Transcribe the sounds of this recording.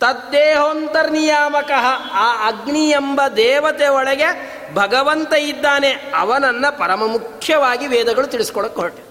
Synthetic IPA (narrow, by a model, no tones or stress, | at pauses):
t̪ɐd̪ːeːɦoːnt̪ɐɾnijaːmɐkɐɦɐaːɐɡɳijembɐd̪ɛːʋɐt̪eɔɭɐɡe | bʱɐɡɐʋɐnt̪ɐid̪ːaːneɐ̰ʋɐnɐnːɐpɐɾɐmɐmukʰjɐʋaːɡiʋɛːd̪ɐɡɐɭut̪iɭisi̥kɔɭɐkːoʈːe